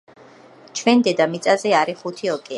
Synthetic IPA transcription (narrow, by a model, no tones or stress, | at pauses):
t͡ʃʰwɛnd̪ɛd̪amit̪sʼazɛaɾiχut̪ʰiɔkʼɛa